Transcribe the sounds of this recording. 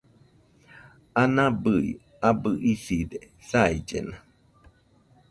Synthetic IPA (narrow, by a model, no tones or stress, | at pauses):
anãbɨḭ | abɨʔiside | said͡ʒḛna